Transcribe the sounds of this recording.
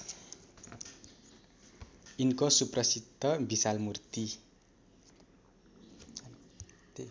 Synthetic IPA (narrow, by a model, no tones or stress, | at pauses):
inkosuprʌsid̪ʱʌbisalmurt̪i